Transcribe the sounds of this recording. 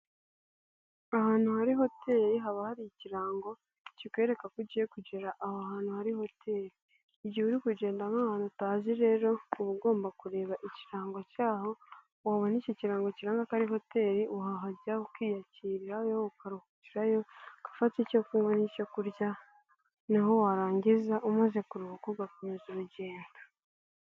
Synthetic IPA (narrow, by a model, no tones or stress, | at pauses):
ahaːn̥huhaɾiɦo̞tʰe̞ːɾiɦaβahaɾijiciɾaːŋɡo̞ | cikwe̞ɾe̞kakuɟijekuɟeɾaʔahoahaːnhuhaɾiho̞tʰe̞ːɾiː | ɟihuɾikuɟe̞ːndamaːhaːnataːziɾe̞ːɾo̞uβuɡo̞ːmbakuɾe̞ːβaʔiciɾaːŋɡocaːho̞ | waβonicociɾaːŋɡociɾaŋɡakaɾiɦo̞te̞ːɾiuɦaɦaɾɟaokwiːjaciɾiɾajoukaɾuhuciɾajo̞kḁfaticokuːŋɡonicokuɾɟa | naɦo̞waɾaːɲɟizaʔumaze̞kuɾuhukuɡakumezuɾuɟe̞ːnda